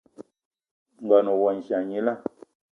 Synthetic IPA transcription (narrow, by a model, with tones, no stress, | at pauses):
ŋ̩˨ɡa˨nɔ˨wɔ˨n̩˨ʃa˨ɲi˦la˦˨